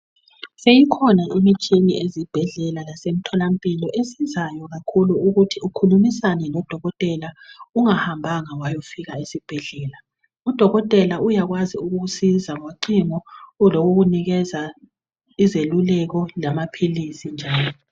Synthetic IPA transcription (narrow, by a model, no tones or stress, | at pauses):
sejikʰɔnaimit͡ʃʼiniʔezib̥ʱɛɮɛlalasem̩tʰɔlampʼilɔʔesizajɔɣakʰuluuɣutʰiukʰulumisanɛlɔd̥ʱɔɣɔtʼɛlauŋahambʱaŋawajofiɣaesib̥ʱɛɮɛːla | ud̥ʱɔɣɔtʼɛlaujaɣwaziuɣuɣusizaŋoǃiŋɔloɣuɣuniɣɛza | izelulɛɣɔlamapʰilisind͡ʒʱaːlɔ